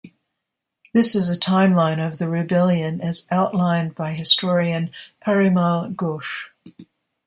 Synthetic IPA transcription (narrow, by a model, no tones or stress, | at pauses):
ðɪsɨzɨtʰãɪ̃mlãɪ̃nʌvðɨɹɨbɛlˠjɨ̃nɨzʔaʊʔˡlãɪ̃nbaɪɦɨstʰɔɹiɨ̃npʰɛɹɨmɑlˠɡoʃ